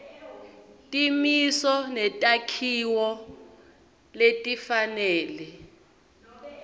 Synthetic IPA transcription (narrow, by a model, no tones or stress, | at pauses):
tʼimisɔnɛtʼakʰiwɔ | letʼifanɛːlɛ